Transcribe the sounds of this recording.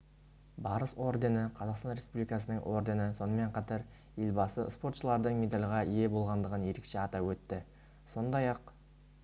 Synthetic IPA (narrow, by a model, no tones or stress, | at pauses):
bɑɾəso̞rd̪e̞nəqʰɑzɑqst̪ɑnɾʲe̞spublikɑsənəŋʔo̞̰ɾd̪e̞nəso̞nəme̞ɴqʰɑt̪ɑɾ | je̞lʲbɑsəspo̞ɾt̪ʃəlˠɑɾd̪əɴme̞d̪alʲʁɑije̞bo̞lˠʁɑnd̪əʁənje̞ɾekʃe̞ɑt̪ɑwɵt̪ːɪ | so̞nd̪ɑjɑq